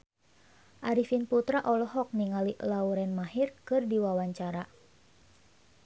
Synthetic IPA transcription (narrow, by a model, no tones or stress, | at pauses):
ʔaɾifinput̪ɾaʔɔlɔɦɔk̚niŋaliʔlauɾɛnmaɦirkɨrdiwawaɲt͡ʃaɾa